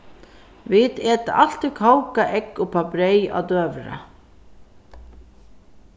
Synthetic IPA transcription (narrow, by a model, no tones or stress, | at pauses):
vɪt̪eːt̪a̰ʔal̥t̪ɪkʰawkaʔɛkːʊpʰabɾeja̰d̪øːvɾa̰